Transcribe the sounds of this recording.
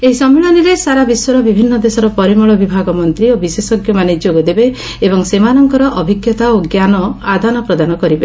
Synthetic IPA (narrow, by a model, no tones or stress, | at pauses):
eɦisɔmːiɭɔniɾesaɾabiswɔɾɔbibʱinːɔd̪esɔɾɔpɔɾimɔɭɔbibʱaɡɔmɔnt̪ɾiobisesɔɡjɔmaned͡ʒoɡɔd̪ebe | ebɔŋsemanɔŋkɔɾɔʔɔbʱiɡjɔt̪aoɡjanɔad̪ʱanɔpɾɔd̪anɔkɔɾibe